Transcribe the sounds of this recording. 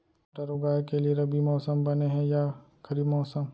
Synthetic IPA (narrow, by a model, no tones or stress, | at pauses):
ʈəɾoɡaːjkelieɾɐbʱimɔːsəmbɐneɦɛ̃ja | kɐɾiːbmɔːsəm